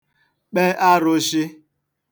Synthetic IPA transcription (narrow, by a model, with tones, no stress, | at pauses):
k͡pe˦ʔa˦ɾʊ˦ʃi˦